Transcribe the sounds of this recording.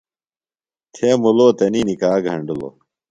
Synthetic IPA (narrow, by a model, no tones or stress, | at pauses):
t̪ʰeːmuloːt̪ɐninikaːɡʱɐɳɖulo̰ː